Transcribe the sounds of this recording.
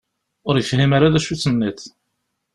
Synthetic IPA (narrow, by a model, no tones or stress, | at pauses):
ʊɾjəfhimaɾaðæʃut͡sːənːiθ